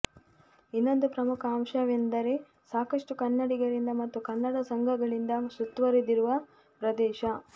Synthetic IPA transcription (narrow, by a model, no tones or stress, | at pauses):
inːo̞nd̪upɾɐmukʰɐːmʃɐʋend̪ɐɾe | saːkɐʂʈukɐnːɐɽiɡɐɾind̪ɐmɐt̪ːukɐnːɐɽɐsɐŋɡʱɐɡɐɭind̪ɐsut̪ʋɐɾid̪iɾuʋɐ | pɾɐd̪ɛːʃɐ